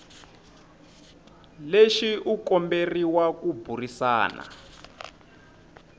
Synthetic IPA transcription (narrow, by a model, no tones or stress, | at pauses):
leʃiʔukɔmberiwakubʱurisa̰ːna̰